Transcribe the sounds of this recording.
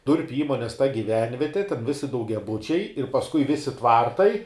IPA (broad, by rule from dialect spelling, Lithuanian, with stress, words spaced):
ˈdʊrʲpʲʊ ˈiːmoːnʲeːs tɐ ɡʲɪˈʋʲɛnʲʋʲiɛtʲɪ tʲɛn ˈʋʲɪsʲɪ dɐʊɡʲɛˈbʊt͡ʃʲɛɪ ɪr ˈpɑːskʊɪ ˈʋʲɪsʲɪ ˈtʋɐrtɐɪ